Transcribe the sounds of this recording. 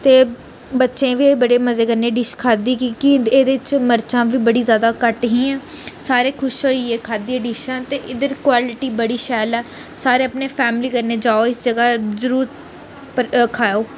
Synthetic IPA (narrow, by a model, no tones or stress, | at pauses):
t̪eː | bətːʃẽːʋiːbəɽeːməzeːkəɾneːɖɪʃkʰaːd̪iːkikɪeːd̪eːɪt͡ʃməɾt͡ʃãːʋiːbəɽiːzjaːd̪aːkəʈɦĩːɛ̃ː | saːɾeːkʰʊʃɦoːieːkʰaːd̪iːɛ̃ːɖiːʃãːt̪eːʔɪd̪əɾkwaːlɪʈiːbəɽiːʃɛːlɛː | saːɾeːəpneːpʰɛːmliːkəɾneːd͡ʒaːoːɪsd͡ʒəɡaːzəɾuːɾt̪ | pkʰaːjoː